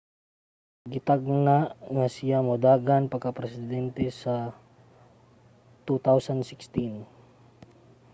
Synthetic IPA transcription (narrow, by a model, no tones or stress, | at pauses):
ɡɪt̪aɡ̚naʔŋasɪjamod̪aɡanpɐkapɾɛsɪd̪ɛnt̪ɛsa | t̪ut̪awsand̪sɪkst̪in